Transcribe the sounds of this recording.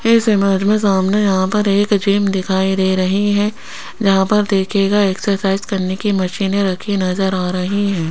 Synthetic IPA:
ɪsɪməd͡ʒmẽs̬aːmnejɐɦãpɐɾeːkd͡ʒiːmd̪ɪkʰaːiɾeɾɐɦiɦɛ̃ | d͡ʒɐɦãpɐɾd̪eːkʰeːɡaeːksəɾsaːɪzkɐɾnekimɐʃiːneɾɐkʰinɐzəɾaːɾɐɦiɦɛ̃ː

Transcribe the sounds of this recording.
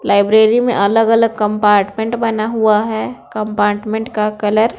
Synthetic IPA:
laːɪbɾeːɾimḛ̃ʔɐləɡɐləɡ̚kɐ̃mpaːɾʈmẽɳʈbɐnaɦuaɦɛːkɐ̃mpaːɾʈmẽɳʈkakɐləɾ

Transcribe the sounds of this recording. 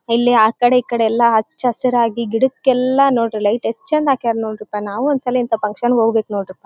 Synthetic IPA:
ilːiaːkɐɽeiːkːɐɽeɛlːɐɦɐt͡ʃːɐsɐɾaːɡiɡiɽukːɛlːɐnoːɽɾilɐjʈet͡ʃːɐnd̪aːkijaːɾnoːɖiɾip̪ːɐnaːʋuɔnd̪sɐliint̪ɐpɐŋkʂɐnɡoːɡbeːknoːɽiɾip̪ːɐ

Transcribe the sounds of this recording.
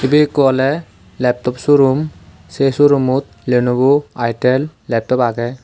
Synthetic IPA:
ibekɔlɛ | lɛp̚tɔpsuɾum | sesuɾumut̪̚ | lenubuajʈɛlːɛp̚tɔpaɡɛ

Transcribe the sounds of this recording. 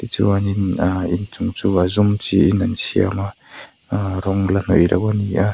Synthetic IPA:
dit͡sṵwaninaint͡suŋt͡suazumt͡siːnansʰia̰ma | ɾɔŋlan̥ɔʔiɾa̰kania

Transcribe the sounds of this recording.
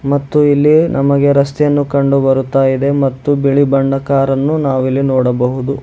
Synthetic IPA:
mɐt̪ːuilːinʔɐmɐɡe̞ɾɐst̪ɛjɐnːukɐɳɖubɐɾut̪ːaːjid̪e̞mɐt̪ːubiɭibɐɳɖɐkaːɾɐnːunaːʋilːinɔːɽɐbɐɦud̪u

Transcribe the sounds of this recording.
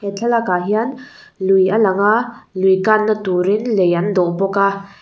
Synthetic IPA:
ɛt͡ɬʰalakaɦian | lujalaŋalujkanːatuɾinlejand̪ɔʔpɔka

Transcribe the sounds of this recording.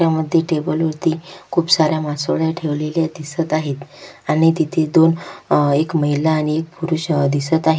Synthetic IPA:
aməd̪ʱːjeʈebəlʋəɾt̪iːkʰuːpsaɾjamasoɭjaʈʰeʋleljad̪isət̪aɦet̪aɽ̃it̪it̪ʰed̪onekməɦilaːɽ̃iek̚puɾuːɕd̪isət̪aɦe

